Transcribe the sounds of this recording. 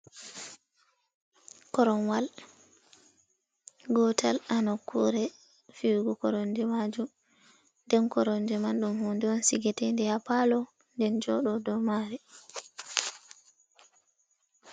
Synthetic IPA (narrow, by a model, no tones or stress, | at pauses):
kɔɾɔnwal | ɡɔtʰalanɔkːuɾɛ | fiwɡukɔɾɔndɛmad͡ʒum | ndɛnkɔɾɔndɛmanɗumhundɛɔnsiɡɛtɛndɛhapalɔ | ndɛnd͡ʒɔɗɔdɔmaɾɛ